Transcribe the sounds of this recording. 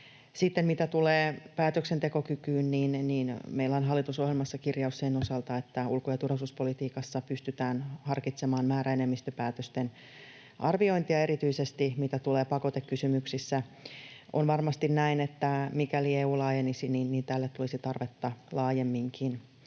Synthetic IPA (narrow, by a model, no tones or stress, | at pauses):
sit̪ːemmit̪æt̪uleːpæːt̪øksent̪e̞ko̞kykyːnniːnniːnmeilːæonɦɑlːit̪uso̞hjelmɑsːɑkirjɑusːeinosɑlt̪ɑet̪ːæulkojɑt̪urhɑsuspo̞lit̪iːkɑsːɑpyst̪yt̪æːnhɑrkit̪semɑːnmæːɾæenemːist̪øpæːt̪øst̪en | ʔɑrʋio̞int̪iɑe̞ɾit̪yisest̪imit̪æt̪uleːpɑko̞t̪ekːysymyksisːæ | o̰nʋɑrmɑst̪innæinet̪ːæmikælieːuːlɑːjenisiniːnniːnt̪ælːet̪t̪ːulisit̪ɑrʋet̪ːɑlɑːjemːiŋkʰin